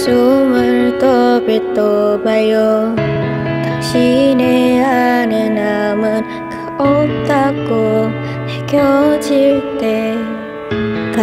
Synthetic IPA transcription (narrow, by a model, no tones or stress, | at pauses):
sumɯɭt̪obit̪ːobajʌ | kaɕineanenamɯn | kɯ | op̚t̪ako | hekjʌd͡ʑiɭt̪e | ka